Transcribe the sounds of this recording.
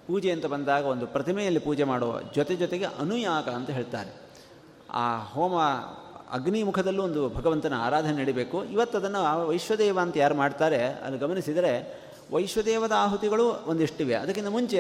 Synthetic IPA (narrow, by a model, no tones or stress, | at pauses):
puːd͡ʒeɐnt̪ɐbɐnd̪aːɡɐo̞nd̪upɾɐt̪ʰimɛjɐlːipuːd͡ʒɛmaːɽoːɐ̰d͡ʒɔt̪ed͡ʒɔt̪eɡe̞ʔɐnujaːkɐːnt̪ɐɦeːɭt̪a̰ːɾe | a̰ːɦoːmɐɐ̰ɡnimukʰɐd̪ɐlːuond̪ubʱɐɡɐʋɐnt̪ɐnɐa̰ːɾaːd̪ʱɐnɐnɐɽibeːkuiʋɐt̪ːɐd̪ɐnːɐʋɐjʂʋɐd̪ɛːʋaːnt̪ɐjaːɾumaːɖt̪aːɾe̞ɐ̰liɡɐmɐnisid̪ɐɾe̞ | ʋɐjʂʋɐd̪ɛːʋɐd̪ɐaːɦut̪iɡɐɭuond̪iʂʈiʋeɐ̰d̪ɐk̬ːind̪ɐmuɲt͡ʃe